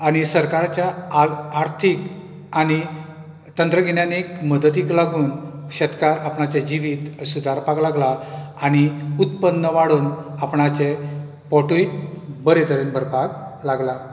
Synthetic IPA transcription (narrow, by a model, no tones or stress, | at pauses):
añisəɾkaɾt͡ɕjaː | ɾt̪ʰik | añi | t̪ənt̪ɾəɡinjanikməd̪ət̪iːklaɡuːnɕɛt̪kaɾapɳat͡ɕed͡ʑiʋiːt̪sud̪ʱaɾpaklaɡlaaɽ̃iut̪pənːəʋaɽuːnapɳat͡se | pɔʈujbəɾet̪əɾinbəɾpaklaɡla